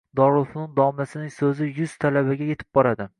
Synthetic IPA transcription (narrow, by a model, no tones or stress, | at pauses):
d̪ɒɾʊlˠfnɪnd̪ɒmasɪnɪŋsɵzɪjʊz̥t̪ʰalabaɡʲaje̞t̪ʰɪ̥p̚bɒɾad̪ɪ